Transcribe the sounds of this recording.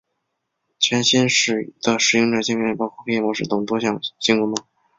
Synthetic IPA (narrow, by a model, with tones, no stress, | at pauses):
t͡ɕʰɥɛ˧˥nɕi˥nʂɻ̩˥˩d̪̥ə˨ʂɻ̩˧˥i˥ŋʈ͡ʂə˨˩t͡ɕi˥ŋm˥˩˥pɑ˥ʊkʰwɔ˥˩kʰɤ˥jɛ˥˩mwɔ˧˥ʂɻ̩˥˩t̪ʊ˨˩ŋt̪wɔ˥ɕjɑ˥˩ŋɕi˥ŋku˧˥mə˧˥˩ŋ